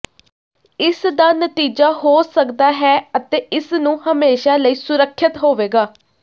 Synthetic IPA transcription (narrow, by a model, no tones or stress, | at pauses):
ɪsd̪aːnət̪iːd͡ʒaːɦoːsəkd̪aːɦɛːət̪eːʔɪsnũːhəmeːʃaːləiːsʊɾəkʰːɪt̪ɦoːʋeːɡaː